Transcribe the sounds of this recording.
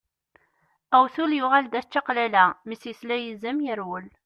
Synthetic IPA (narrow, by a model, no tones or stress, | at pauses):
æwθuljʊʁæld̪æt͡ʃːaqlælæmisəθlæjəzəmjəɾwəl